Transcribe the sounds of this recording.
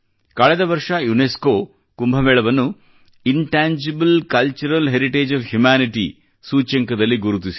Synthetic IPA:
kɐɭɛd̪ɐʋɐɾʂɐjuneskoː | kumbʱɐʋɛːɭɐʋɐnːu | iɳʈaːɲd͡ʒibɐlkɐlt͡ʃuɾɐlɦeɾiʈeːd͡ʒɐʋhjumaːniʈḭ | suːt͡ʃɐŋkɐd̪ɐlːiɡuɾut̪ːisi̥

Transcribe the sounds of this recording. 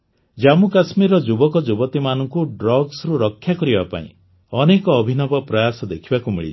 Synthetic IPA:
d͡ʒamukasmiɾɔd͡ʒubɔkɔd͡ʒubɔt̪imanɔŋkuɖɾɔɡsɾuɾɔkʰːjakɔɾibapa̰ḭ̃ | ɔnekɔːbʱinɔbɔpɾɔjasɔd̪ekʰibakumḭɭḭt͡ʃ

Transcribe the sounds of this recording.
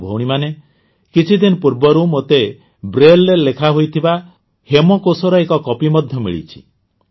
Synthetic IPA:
bʱowɽ̃imane | kit͡ʃʰid̪inɔpuɾbɔɾumot̪e | bɾelɾelekʰaɦojt̪ʰiba | hemɔkosɔɾɔekɔkɔpimɔd̪ʱjɔmḭɭḭt͡ʃʰi̥̰

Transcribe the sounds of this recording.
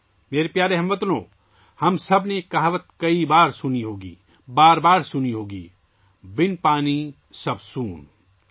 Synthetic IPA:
meːɾepjaːɾeɦɐ̃mʋət̪lõː | hɐmsɐbnekɐɦʋət̪̚kɐibaːɾsʊniɦoːɡḭː | baːɾbaːɾsʊniɦoːɡḭː | bɪnpaːni | sɐbsuːn

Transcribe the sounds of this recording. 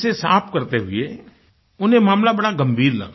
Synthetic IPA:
sesaːpʰkɐɾt̪eɦʊe | ʊnẽmaːmlabɐɽaɡɐmbʱiːɾlɐ̰ɡa

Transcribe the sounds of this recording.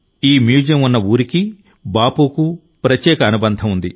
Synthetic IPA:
iːmjuːd͡ʒɐmunːɐuːɾiki | baːpuːku | pɾɐtjɛːkɐɐnubɐnd̪ʱɐmund̪i

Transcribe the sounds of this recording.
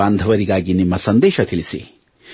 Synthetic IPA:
aːnd̪ʱɐʋɐɾiɡaːɡinimːɐsɐnd̪eːʃɐt̪ʰilisḭ

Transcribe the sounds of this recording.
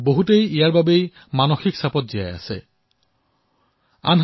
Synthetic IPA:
boɦutejijaɹbabej | manoxiksapɔt̚zija̰ja̰sɛ̰ | a̰nɦ

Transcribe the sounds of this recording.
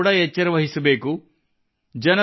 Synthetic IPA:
ɽɐet͡ʃːɐɾɐʋɐɦisɐbeːku | d͡ʒɐnɐ

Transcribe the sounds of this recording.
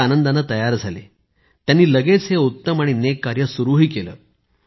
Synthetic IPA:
anənd̪anːat̪əjaɾd͡zʱalḛ | t̪janːiːləɡet͡sɦeut̪ːəmaɽ̃inekːaɾjəsuɾuɦiːkelə̰ː

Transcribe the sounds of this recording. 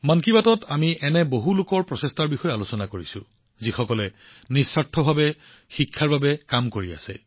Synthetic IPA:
mankibatɔtʰamiʔɛnɛboɦulʊkɔɹpɹɔsɛstaɹbixɔjɛalosɔnakoɹisʊ̰̃ | zixɔkɔlɛ | nisːatʰːɔbʱabɛ | xikʰːaɹbabɛkamkoɹia̰sɛ̰

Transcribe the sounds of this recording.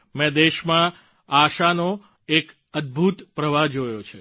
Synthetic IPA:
mɛ̃d̪eʃmã | aʃano | ek | əd̪̚bʱut̪pɾəʋad͡ʒojot͡ʃʰe

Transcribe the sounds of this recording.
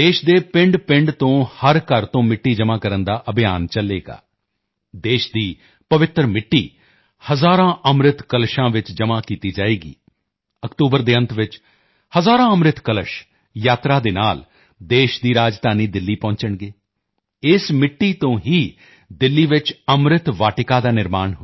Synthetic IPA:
d̪eːʃd̪eːpɪ̃ɳɖpɪ̃ɳɖt̪õːhəɾkəɾt̪õːmɪʈːiːd͡ʒəmãːkəɾənd̪aːʔəbɪjaːnt͡ʃəleːɡa̰ː | d̪eːʃd̪iː | pəʋɪt̪ɾmɪʈːḭː | həzaːɾãːʔəmɾɪt̪kəlʃãːʋɪt͡ʃd͡ʒəmaːkiːt̪iːd͡ʒaːeːɡḭː | əkʈ̪uːbəɾd̪eːə̃nt̪ʋɪt͡ʃ | həzaːɾãːəmɾɪt̪kələʃ | jaːt̪ɾaːd̪eːnaːl | d̪eːʃd̪iːɾaːd͡ʒd̪aːniːd̪ɪlːiːpɔ̃ːt͡ʃəɳɡeː | ɪsmɪʈːiːt̪õːɦiː | d̪ɪlːiːʋɪt͡ʃəmɾɪt̪ʋaːʈɪkaːd̪aːnɪɾmaːnɦʊ

